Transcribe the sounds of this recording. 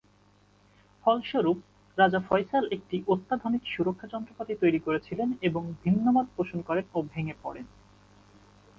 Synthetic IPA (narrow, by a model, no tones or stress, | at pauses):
fʰɔlʃoɾup̚ | ɾad͡ʑafɔjsalek̚ʈiʔot̪ːad̪ʱonikʃuɾokʰːad͡ʑɔnt̪ɾopat̪it̪ojɾikoɾet͡ɕʰileneboŋbʱinːomad̪̚pɾoʃonkɔɾenobʱeŋepɔ̰ɽen